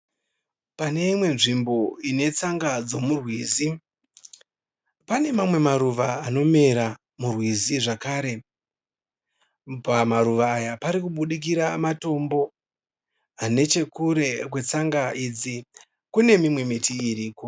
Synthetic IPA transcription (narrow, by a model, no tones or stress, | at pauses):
pane̞imwe̞nʐimbo̞ine̞t͡saŋɡad͡zo̞murwiːzi | pane̞mamwe̞maɾuʋaːno̞me̞ɾa | murwiziʐakaːɾe̞ | pamaɾuʋaːjapaɾikuɓuɗik̬iɾamato̞mbo̞ | ane̞t͡ʃe̞kuɾe̞kwe̞t͡saŋɡaʔiːd͡zi | kune̞mimwe̞mitiːɾiːko̞